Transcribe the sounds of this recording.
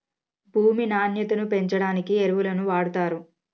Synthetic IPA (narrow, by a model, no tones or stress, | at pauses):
bʱuːminaːnjɐt̪unupe̞ɲt͡ʃɐɽaːnikieɾuʋulɐnuʋaːɽut̪aːɾu